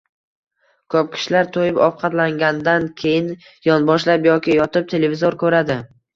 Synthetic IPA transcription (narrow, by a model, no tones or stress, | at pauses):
kʰɵp̚kʲʰɪ̥ʃlaɾt̪ʰojɪpɒwqʰɑt̪laŋɡʲand̪ankʲʰejɪn | jɒnbɒʃlapjɒkʲɪjɒt̪ʰɪp̚t̪ʰe̞le̞vɪzoɾkʰɵɾad̪ɪ